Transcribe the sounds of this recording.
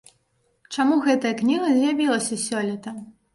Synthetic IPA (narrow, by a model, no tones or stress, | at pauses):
t͡ʂamuɣɛt̪ɐjɐknʲiɣɐzʲjabʲilˠɐsʲɐsʲɔlʲit̪ɐ